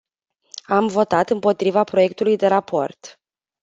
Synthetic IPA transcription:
amvo̞t̪at̪ɨmpo̞t̪ɾivapɾo̞je̞k̚t̪ulujd̪e̞ɾapʰo̞rt̪

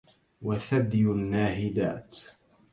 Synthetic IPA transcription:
waθad̪jʊnːaːhɪd̪a̰ːt̪

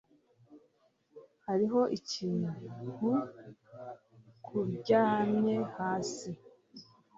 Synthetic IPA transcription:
haɾiɦo̞ʔiciːnuhu | kʰubɟaːmɲe̞haːsi

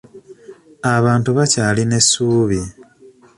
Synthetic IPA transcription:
aβaːntuβacaːline̞suːβi

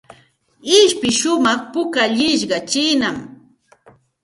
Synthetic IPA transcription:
ɪʃpɪʃʊmɑχpʊkaʎɪʃɢɑt͡ʃɪnam

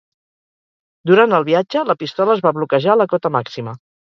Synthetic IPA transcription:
d̪uɾant̪əlˠβiad͡ʒələpist̪ɔləːzβaβlukəʒaləkɔt̪əmaksimə

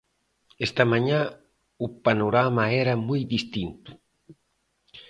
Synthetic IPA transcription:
ɛst̪amãɲa | upanoɾamaɛɾamujðist̪int̪u̥

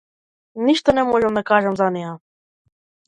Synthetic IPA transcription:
niʃt̪ɛnɛmɔʒɛmnɛkɑʒɛmzɑnia

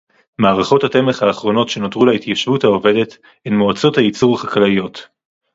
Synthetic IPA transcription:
maːʁaχo̞thate̞meχhaːχʁo̞no̞tʃe̞no̞tʁulait̪jaʃvuthaove̞de̞t | enmoat͡so̞thajit͡suʁχaklajo̞t

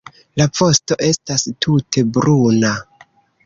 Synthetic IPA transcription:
lapo̞sto̞ʔe̞stastʰutʰe̞bɾuna

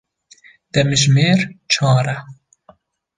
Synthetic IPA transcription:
d̪̥ɛmɨʒmeːɾt͡ʃʰɑːɾɛ

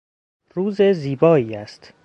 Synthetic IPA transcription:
ruːzeziːbɒːiːæst̪

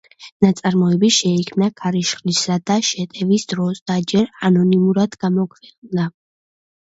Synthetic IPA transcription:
nat̪sʼaɾmɔɛbiʃɛikʰmnakʰaɾiʃχlisad̪aʃɛt̪ʼɛvisd̪̥ɾɔsd̪̥ad͡ʒɛɾanɔnimuɾad̪̥ɡ̥amɔkʰvɛq̪ʼd̪a

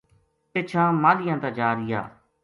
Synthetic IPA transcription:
pɪt͡ʃʰãːmãːlɪjãːt̪aːd͡ʒaːɾɪja̰ː

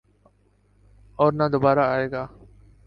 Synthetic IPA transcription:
ɔːɾnaːd̪obaːɾaːaːeːɡaː

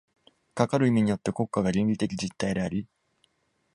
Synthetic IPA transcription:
kakaɾɯ̟imʲiɲ̟ijo̞t̪ːe̞ko̞kːaɡaɾʲĩnɾʲit̪e̞k̬ʲid͡ʑit̪ːaid̪e̞aɾʲi

